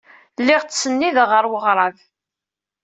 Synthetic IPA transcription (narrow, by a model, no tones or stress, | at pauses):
lːɪʁt͡ssənːiðʁəɾˤwəʁɾˤɑv